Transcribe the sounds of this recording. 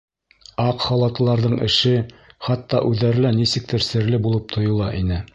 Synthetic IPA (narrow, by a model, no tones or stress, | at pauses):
ɑqχɑlˠɑt̪ɤ̆lˠɑɾðɤɴʔɘ̆ʃɘχɑt̪ːɑʔʉðːæɾɘlænisɘ̆k̚t̪ʰɘɾsɘ̆ɾlɘbulˠɤp̚t̪ʰŏjŏlˠɑʔinɘ